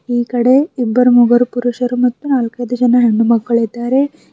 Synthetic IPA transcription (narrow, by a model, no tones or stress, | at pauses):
iːkɐɽe̞ibːɐɾmuɡɐɾupuɾuʃɐɾumɐt̪ːunaːlkɐjd̪ɐd͡ʒɐnɐɦeɳːumɐɡːɐɭid̪ːaːɾe̞